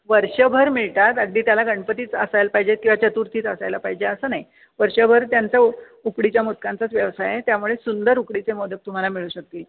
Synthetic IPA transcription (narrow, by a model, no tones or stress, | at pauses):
ʋəɾɕəbʱəɾmiɭt̪at̪əɡd̪iːt̪jalaɡəɳpət̪iːt͡səsajlpaɦid͡ʑet̪̚kĩw̃ʋat͡ɕət̪uɾt̪ʰiːt͡səsajlapaɦid͡ʑeəsəːnaj | ʋəɾɕəbʱəɾt̪jant͡sa | ukɽit͡ɕjamut̪̚kãnt͡sat͡sʋjəʋsajjet̪jamuɭesund̪əɾukɽit͡semɔd̪ət̚t̪um̤alamiɭuːɕək̚t̪iːl